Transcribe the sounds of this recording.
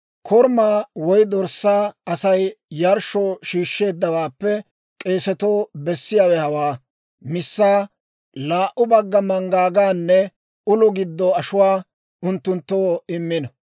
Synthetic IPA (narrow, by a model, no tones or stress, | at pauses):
kʰɔɾmaːwɔjd̪ɔɾsːaːɐsɐjjɐɾʃoːʃiːʃːe̞ːd̪ːɐwaːpːɛ | kʼe̞ːsɛt̪oːbɛsːɪjaːwɛhɐwaː | mɪsːaː | laːʔʊbɐɡːɐmɐŋɡaːɡaːnːɛ | ʊlʊɡɪd̪ːɔɐʃʊwaː | ʊnt̪ːʊnt̪ːoːɪmːɪnɐ